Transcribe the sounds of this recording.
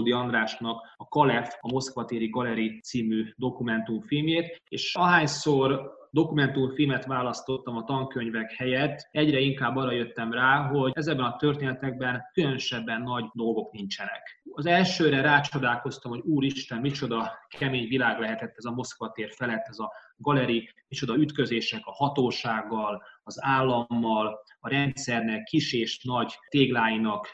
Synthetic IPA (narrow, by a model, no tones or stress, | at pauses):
d̪iɒnd̪ɾaːʃnɒkɒkɒlɛfɒmo̞skʋɒt̪eːɾiɡɒlɛɾit̪siːmyːd̪o̞kumɛnt̪umfilmjeːt̪ḛːʃɒɦaːɲsord̪o̞kumɛnt̪umfilmɛt̪ʋaːlɒst̪o̞t̪ːɒmɒt̪ɒŋkøɲvɛkhɛjɛt̪ːɛɟɾɛiŋkaːbːɒːrɾɒjø̞t̪ːɛmraːɦo̞ɛzɛɡ̚bɛnɒt̪ø̞rt̪eːnɛt̪ɛɡ̚bɛnkylønøʃɛbːɛnːɒɟd̪o̞lɡo̞knint͡ʃɛnɛ̰kɒzɛlʃøːɾɛɾaːt͡ʃo̞d̪aːlko̞st̪ɒmho̞ɟuːɾiʃt̪ɛmmit͡ʃo̞d̪ɒkʰɛmeːɲvilaːɡlɛɦɛt̪ɛt̪ːɛzɒmo̞skʋɒt̪eːrfɛlɛt̪ːɛzɒ | ɡɒlɛɾimit͡ʃo̞d̪ɒyt̪kø̞zeːʃɛkɒhɒt̪oːʃaːɡːɒlɒzaːlːɒmːɒl | ɒɾɛnt̪sɛrnɛkkːiʃeːʃnɒɟt̪eːɡlaːjinɒk